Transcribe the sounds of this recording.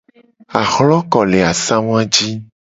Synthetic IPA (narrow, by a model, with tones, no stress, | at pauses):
a˨xlɔ˦kɔ˨le˨a˨sã˦w̃ã˦d͡ʒi˦